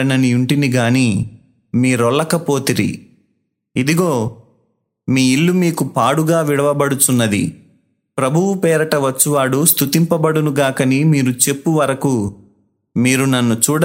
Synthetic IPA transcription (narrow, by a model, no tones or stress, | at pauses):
ɐnɐniuɳʈiniɡaːniː | miːɾɔɭːɐkɐpo̞ːt̪iɾḭ | id̪iɡoː | miːilːumiːkupaːɽuɡaːʋiɽɐʋɐbɐɽut̪unːɐd̪ḭ | pɾɐbʱuʋupɛːɾɐʈɐʋɐt͡ʃːuʋaːɽust̪ut̪impɐbɐɽunuɡaːkɐnimiːɾut͡ʃe̞pːuʋɐɾɐku | miːɾunɐnːut͡ʃuːɽɐ